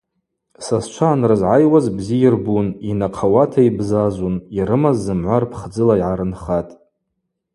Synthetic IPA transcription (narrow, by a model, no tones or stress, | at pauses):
sast͡ʃʷʰaːnrɨzʕajwazbzijɪrbuninaqʰawatʰaibzazuniɾɨmazːɨmʕʷarpʰχd͡zɨlaiʕaɾɨnχatʼ